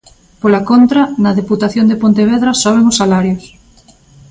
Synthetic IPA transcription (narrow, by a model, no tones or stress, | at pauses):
polakont̪ɾɐnɐðeput̪aθjond̪epont̪eβ̞ɛðɾɐsɔβ̞eŋʊsːalaɾjʊs